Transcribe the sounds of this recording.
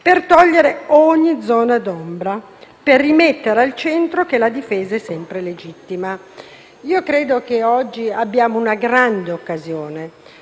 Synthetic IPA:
pert̪ɔʎːeɾeɔɲːid̪zːɔːnad̪ɔmbɾa | perːimet̪ːeɾealt͡ʃɛnt̪ɾokelad̪ifeːzaɛsːɛmpɾeled͡ʒit̪ːima | iːokɾeːd̪ok̟eɔd͡ʒːiabːjaːmounaɡɾand̪eokːazjoːne

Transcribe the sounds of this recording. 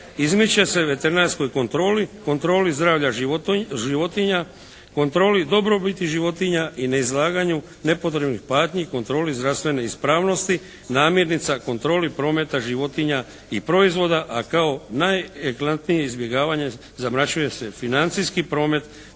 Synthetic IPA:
izmit͡ɕese̞ʋe̞t̪e̞ɾinaɾsko̞jkont̪ɾoːliko̞nt̪ɾo̞ːlizd̪ɾaːʋʎaʒiʋo̞t̪iɲa | ko̞nt̪ɾo̞ːlid̪o̞bɾo̞bit̪iʒiʋo̞t̪iɲaʔineizlaːɡaɲu | ne̞po̞t̪ɾe̞bnixpaːt̪ɲiko̞nt̪ɾo̞ːlizd̪ɾast̪ʋe̞ne̞ispɾaːʋno̞st̪i | naːmje̞ɾnit̪sako̞nt̪ɾo̞ːlipɾo̞ːme̞t̪aʒiʋo̞t̪iɲa | ipɾo̞izʋo̞d̪aʔakao̞najeklant̪nije̞izbje̞ɡaːʋaɲe̞ | zamɾat͡ʃuje̞se̞finant̪sijskipɾo̞ːme̞t̪

